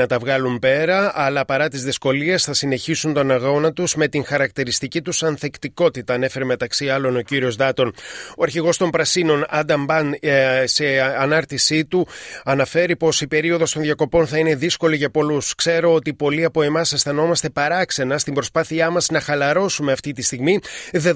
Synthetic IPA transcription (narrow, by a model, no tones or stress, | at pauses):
ɐt̪ɐvɣɐlumpe̞ɾɐʔːlɐpɐɾɐt̪izðisko̞lie̞sθɐsine̞çisunt̪o̞nɐɣo̞nɐt̪uzme̞t̪iŋxɐɾɐk̚t̪iɾist̪icit̪usɐnθekt̪iko̞t̪it̪ɐːne̞fe̞ɾeme̞t̪ɐksiɐlo̞no̞ciɾio̞zðɐt̪o̞noɐɾçiɣo̞st̪o̞mpɾɐsino̞nɐnd̪ɐmbɐnse̞ɐnɐɾt̪isit̪uɐnɐfe̞ɾipo̞sipe̞ɾio̞ðo̞st̪oðʝɐko̞po̞nθɐine̞ðisko̞liʝɐpo̞luskse̞ɾo̞ot̪ipo̞liɐpo̞e̞mɐsesθɐno̞mɐst̪e̞pɐɾɐkse̞nɐst̪imbɾo̞spɐθiɐmɐsnɐxɐlɐɾo̞sume̞ɐft̪it̪ist̪iɣmiðe